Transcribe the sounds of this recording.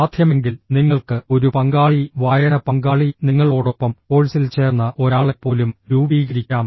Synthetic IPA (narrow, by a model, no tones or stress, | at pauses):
aːd̪ʱjɐme̞ŋɡilniŋːɐɭkɨo̞ɾupɐŋɡaːɭiʋaːjɐɳɐpɐŋɡaːɭiniŋːɐɭo̞ːɽo̞pːɐmpo̞ːɭisilt͡ɕe̞ːrnːɐʔo̞ɾaːɭe̞pːo̞ːlumɾuːbiːɣɐɾikʲːaːm